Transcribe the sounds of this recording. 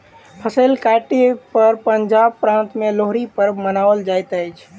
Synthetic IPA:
pʰəsəɪlkaʈepəɾpənd͡ʒab̚pɾãnt̪meloɦɾipəɾmənaʋəld͡ʒajt̪əjt͡ʃʰ

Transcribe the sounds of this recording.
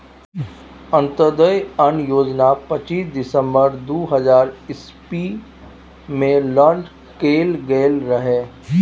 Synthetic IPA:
ə̃nt̪əd̪əjənjoːd͡ʒnapɐt͡ʃiːsd̪ɪsə̃mbəɾd̪oːɦɐzaːɾɪs | pi | mẽləɳɖ | keːlɡeːlɾɐɦeː

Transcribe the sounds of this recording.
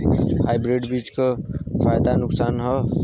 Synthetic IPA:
hajbɾeɖbit͡ʃkəpʰajd̪anuksanɦɔ

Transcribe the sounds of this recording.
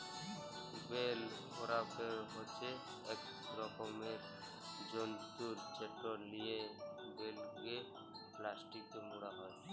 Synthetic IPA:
bel | ɔɾapeɦot͡ʃʰeː | k | ɾɔkɔmeɾ | d͡ʒonsuɾt͡ʃeʈːɔɾnijebelɡe | plasʈik̚t̪ɔmuɽaɦɔj

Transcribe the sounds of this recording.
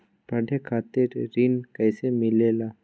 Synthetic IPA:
pɐɖʱekʰaːt̪ɪɾɾinkəːsemɪlelaː

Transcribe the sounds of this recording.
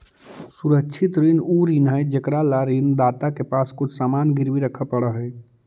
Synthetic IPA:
suɾəkːt͡ʃʰit̪ɾinuɾinɦəjd͡ʒekɾalaɾind̪at̪akepaskʊt͡ʃʰsamaːnɡiɾʋiɾəkʰəpəɽəɦɛj

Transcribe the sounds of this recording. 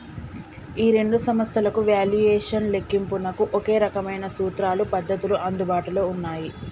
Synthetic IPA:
iːɾe̞ɳɖusɐmɐst̪ʰɐlɐkuʋaːljuɛːʂɐnle̞kːimpunɐkuʔoke̞ːɾɐkɐmɐjnɐsuːt̪ɾaːlupɐd̪ːɐt̪uluʔɐnd̪ubaːʈulo̞ːunːaːji

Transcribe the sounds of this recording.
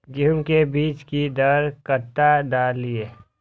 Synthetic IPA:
ɡimkebiːt͡ʃkid̪əɾkət̪ad̪aːlieː

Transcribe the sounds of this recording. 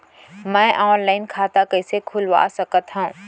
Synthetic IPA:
mɛ̃ːʔɔːnlaːɪnkʰaːt̪akɐɪsekʰʊlʋa̰ːsɐkət̪ɦɛ̃ũː

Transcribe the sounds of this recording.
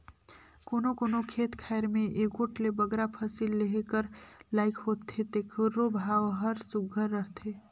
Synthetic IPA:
konokonokʰet̪kʰaeɾmẽʔeɡoʈlebəɡɾapʰəsilːeɦekəɾlaɪkʰɦot̪ʰet̪ekʰəɾːobʱawɦəɾsuɡʱəɾːəɦt̪ʰe

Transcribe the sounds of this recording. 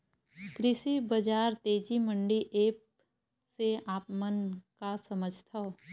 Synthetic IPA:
kɾɪʃibɐd͡ʒaːɾt̪eːd͡ʒimə̃ɳɖiʔeːp̚ | seaːpmənkasɐməd͡ʒʱt̪ʰao

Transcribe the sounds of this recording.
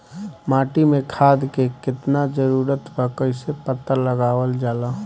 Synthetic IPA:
maːʈimẽkʰaːd̪kekɪt̪nad͡ʒəɾuːɾət̪pəkəɪsepət̪ːəɾləɡaːʋəld͡ʒaːla

